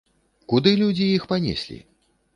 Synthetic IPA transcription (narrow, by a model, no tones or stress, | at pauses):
kud̪ɨlʲud͡zʲijixpanʲḛsʲlʲḭ